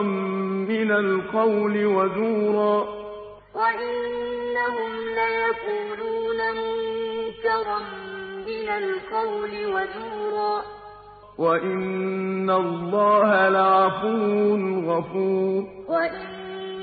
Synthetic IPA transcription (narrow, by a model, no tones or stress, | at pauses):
mːɪnalqɑwlɪwazuːɾˤɑː | waʔɪnːaɦʊmlaːjakuːluːnamʊnnt̪ɑɾˤɑmːɪnalqɑwlɪwazuːɾˤɑː | waʔɪnːalˤːɑːhalaʕafuːɾʊʊlɣɑfuːɾɾwaʔɪn